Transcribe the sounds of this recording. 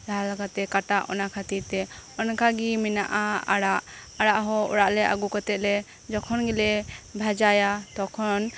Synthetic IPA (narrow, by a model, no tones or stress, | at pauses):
laɦalaɡat̪ːɛkaʈaʔɔ̰nakʰat̪iɾt̪ɛ | ɔnkaɡimɛnaʔaa̰ɽaʔ | aɽaʔɦɔɔ̰ɽaʔlɛʔa̰ɡukɔt̪ɛt̪̚lɛ | d͡ʒɔkʰɔnɡɛlɛbʱad͡ʒajat̪ɔkʰɔn